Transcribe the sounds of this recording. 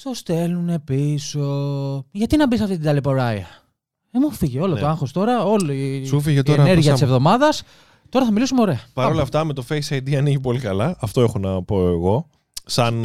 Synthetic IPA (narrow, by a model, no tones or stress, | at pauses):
t̪ost̪e̞lune̞pisoʝɐt̪inɐbis̬ɐft̪it̪id̪ɐlipoɾɐiɐ | emufiʝeo̞looɐŋxost̪o̞ɾɐo̞liufiʝet̪oeɾneɾɣʝiɐtsevðo̞mɐðɐs | t̪o̞ɾɐθɐmilisumeoɾe̞ɐpɐɾolɐft̪ɐme̞t̪o̞fejsɐjd̪iɐniʝipo̞likɐlɐɐft̪oexo̞nɐpo̞eɣo̞ | sɐn